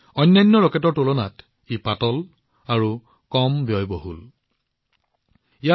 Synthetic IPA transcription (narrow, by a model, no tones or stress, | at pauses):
ɔjnːajnːɔɹɔkɛtɔɹtolona̰t | ipatɔl | aɹu | kɔmbjɔjboɦṵl | ija